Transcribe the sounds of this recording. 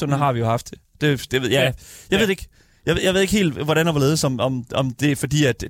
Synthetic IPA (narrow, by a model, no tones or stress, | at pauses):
onɐɦɑ̈ʋijo̝hɑ̈fd̥ | d̥e̝d̥eḛjæjɑ̈ʋe̝̰eɡ̥ | jɑɪejaɪʋe̝eɡ̥hḛːld̥ʋɒɾænɒʋɒle̝ːð̞ˠsɒ̽mɒ̽mɒ̽md̥e̝fɒ̽d̥ḭːæd̥